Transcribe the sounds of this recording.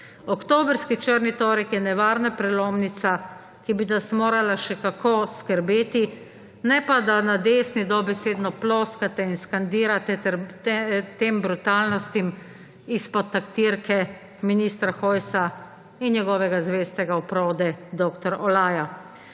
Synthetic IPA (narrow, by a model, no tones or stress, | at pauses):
ɔkt̪oːbɾskit͡ʃəɾnit̪oːɾɛkjɛnɛʋaːɾnapɾɛloːmnit̪sa | kibinasmoːɾalaʃɛkakʰoskəɾbeːt̪i | nɛpad̪anad̪eːsnid̪ɔbɛseːd̪nɔploːskat̪ɛinskand̪iːɾat̪ɛt̪ɛɾ | t̪embɾut̪aːlnɔst̪im | ispɔt̪ːakt̪iɾkɛ | minist̪ɾaxɔːjsa | injɛɡɔːʋɛɡazʋeːst̪ɛɡaɔpɾoːd̪ɛd̪oːkt̪ɔɾɔlaːja